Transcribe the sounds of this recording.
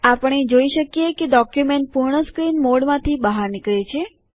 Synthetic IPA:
apəɳ̃ed͡ʒoiʃəkjekeɖɔkjumeɳʈ̚puɾɳəskɾinmoɽmãt̪ʰibəɦaɾnɪkɭet͡ʃʰe

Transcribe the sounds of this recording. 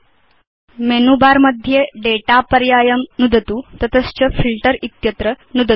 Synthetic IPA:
menubaɾməd̪ʱːjeɖeʈapəɾjajəmnud̪ət̪ut̪ət̪əst͡ɕəfilʈəɾit̪jət̪ɾə | nud̪ʱə

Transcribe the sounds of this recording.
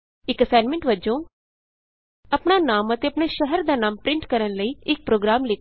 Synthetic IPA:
ɪkəsaːnmɛ̃ɳʈʋəd͡ʒõː | ɐpɽ̃anaːmət̪eɐpɳ̃eʃɛɦɛɾd̪aːnaːmpɾɪ̃ɳʈkəɾənləiːɪk̚pɾoːɡɾaːmleː

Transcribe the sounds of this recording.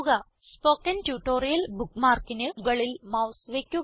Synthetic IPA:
ɡa | spoːkenʈjuʈoːɾijɐlbukmaːɾkineɡɐɭilmawsʋeːkju

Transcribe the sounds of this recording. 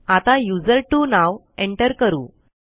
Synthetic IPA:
at̪ãjud͡zəɾʈunaʋ | eɳʈəɾkəɾṵː

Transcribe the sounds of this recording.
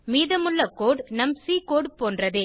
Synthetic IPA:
miːðɐmʊɭːɐkoːɽnɐmsiːkoːɽpoːndrɐðeː

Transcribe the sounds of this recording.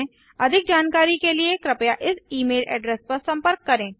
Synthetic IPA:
ɐd̪ʱɪk̚d͡ʒaːnkaːɾikeliekɾɪpjaʔɪsiːmeːlʔɛ̰ːɖɾɛːspɐɾsɐ̃mpəɾkːɐɾẽː

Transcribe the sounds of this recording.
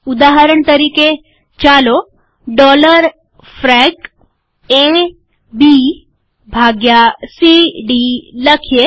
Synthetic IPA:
ʊd̪aɦəɾəɳt̪əɾiːke | t͡ʃalo | ɖɔləɾ | fɾɛk | e | bi | bʱaɡjasiɖiləkʰje

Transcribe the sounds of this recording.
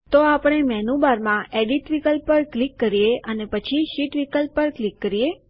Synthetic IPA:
t̪oapɳ̃emɛnubaɾmãʔeɖiʈʋikəlppːəɾklikːəɾijeənepət͡ʃʰiʃiʈʋikəlppːəɾklikːəɾije

